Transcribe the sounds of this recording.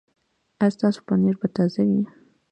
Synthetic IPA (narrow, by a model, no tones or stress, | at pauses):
ast̪ɑso̥paneɾbat̪azawi